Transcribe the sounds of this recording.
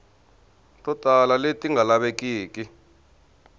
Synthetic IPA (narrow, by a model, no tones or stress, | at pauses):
tʼɔtʼalaletʼiŋɡʱalaɓek̬ʼiːkʼi